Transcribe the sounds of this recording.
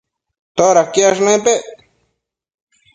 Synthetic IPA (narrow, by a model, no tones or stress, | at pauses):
t̪oɾakiaʃ̬nẽpeʔ